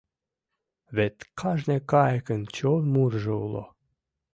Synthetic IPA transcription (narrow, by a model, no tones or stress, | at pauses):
βet̪kʰɑʒnʲekɑjkənt͡ɕolmurʒəṵlˠo̰